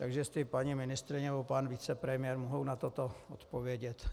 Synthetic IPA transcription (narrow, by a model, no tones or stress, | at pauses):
t̪aɡʒɛst̪ɪpaɲimɪnɪst̪ɾɪnɛbopanvit͡sɛpɾɛmɪjɛɾmoɦownat̪ot̪oot̪po̞vjɛɟɛt̪